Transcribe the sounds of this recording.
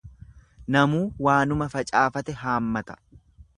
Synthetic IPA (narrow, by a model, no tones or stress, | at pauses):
nɐmuːwaːnʊmɐfɐt͡ʃʼaːfɐt̪ɛɦaːmːɐt̪ɐ̥